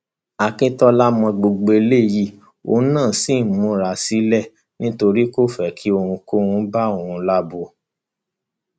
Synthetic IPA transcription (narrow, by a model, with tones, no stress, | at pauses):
a˨kĩ˧tɔ˧la˦mɔ̃˧ɡ͡bo˧ɡ͡be˨˧le˦˨ji˦˨ | o̰˧˦nãː˦˨si˦˨mũ˦ɾa˨si˨˦lɛ˦˨ | nĩ˦to˧ɾi˦ko˦˨fɛ˨kʰi˨˦o˧hũ˧ko˦hũ˧˦ba˦o˨hũ˧la˦bo˧˦